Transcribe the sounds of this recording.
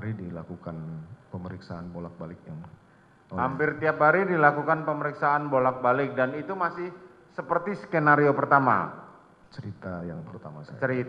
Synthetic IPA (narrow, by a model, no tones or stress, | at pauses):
aɾidilakukanpəməɾiksaanbolak̚balɪk̚jaŋ | hampɪrt̪iap̚ɦaɾidilakukanpəməɾiksaanbolak̚balɪk̚danit̪umasɪh | səpərt̪iskenaɾiopərt̪ama̰ | t͡ʃəɾit̪ajaŋpərt̪amasjəɾit̪